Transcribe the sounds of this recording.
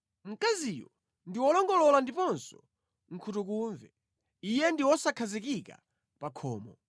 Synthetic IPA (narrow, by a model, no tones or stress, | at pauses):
m̩kazijɔ | ndiwɔlɔŋɡɔlɔlandipɔnsɔ̥ | ŋ̩kʰutukuːɱvɛ | ijɛndiwɔsakʰazikika̰ | pakʰɔːmɔ